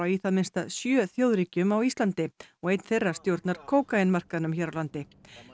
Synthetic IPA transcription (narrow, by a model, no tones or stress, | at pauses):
awiθaðmɪnst̪asjœːθjoːwðɾiːcʏmawist̪lant̪ɪɔɣejt̪n̥θejrːḁst̪jowɾt̪naɾ̥kʰoːwkaenmar̥kaðnʏmçɛːɾawlant̪ɪ